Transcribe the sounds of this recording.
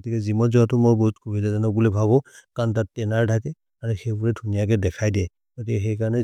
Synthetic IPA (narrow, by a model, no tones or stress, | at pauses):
ɡotikɛzimɔnzɔatʊmɔjboɦutkʰubidazanɔk̚bulɛbʱabɔkantattɛnaɹdʰʱakɛ | aɹuxejbʊɹɛdʱunijakɛdɛkʰajdɛ | ɡ̥otikɛxɛjkaɹɔnɛ